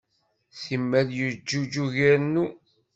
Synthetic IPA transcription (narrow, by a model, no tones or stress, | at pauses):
θimːæðjəd͡ʒːud͡ʒuʝæɾnːu